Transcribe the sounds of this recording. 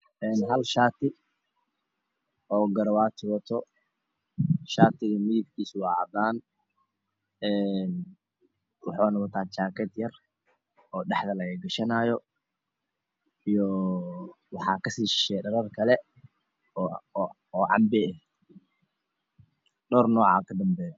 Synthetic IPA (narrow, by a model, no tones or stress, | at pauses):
ʔɛːnɦɐlʃaːt̪ʰɪ | ɔːɡɐɾwaːt̪ʰɪwɔt̪ʰɔ | ʃaːt̪ʰɪɣɐmɪðɪɡkʰiːswɑʕɑ̰d̪aːn | ɛːn | wɑħɑːnɔɣɑt̪ʰaːt͡ʃaːkʰɛd̪jɐr | ɔːɖɑħd̪ɐlɐɣɐɡɐʃɐnaːjɔ | ijɔ | wɑħɑːkʰɐsiːʃɪʃɛjɖɐɾɐrkʰɐlɛ | ɔːʕɑ̰mbɛɛ | ɖɔːrnɔːʕɑ̰ːkʰɐd̪ɐmbɛːjɔ